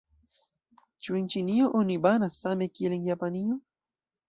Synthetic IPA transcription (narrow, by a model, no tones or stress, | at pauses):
t͡ʃuent͡ʃinijoʔonibanasamekieleŋjapanijo